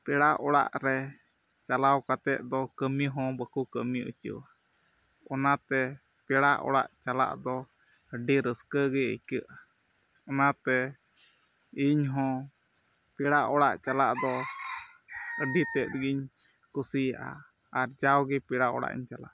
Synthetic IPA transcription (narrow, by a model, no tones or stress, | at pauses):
pɛɽaʔɔɽa̰ʔɾɛ | t͡ʃalawkat̪ɛʔ̪̚d̪ɔkəmiɦɔ̃bəkukəmiṵt͡ʃə̰a | ɔnat̪ɛ | pɛɽaʔɔ̰ɽa̰ʔt͡ʃala̰ʔd̪ɔ | əɖiɾəskəɡɛə̰jkəʔa | ɔnat̪ɛ | iɲɦɔ̃ | pɛɽaʔɔɽaʔt͡ʃalaʔd̪ɔ | əɖit̪ɛʔɾəɡiɲ | kusijaʔa̰ | aɾd͡ʒawɡɛpɛɽaɔ̰ɽa̰ʔḭɲt͡ʃala̰ʔ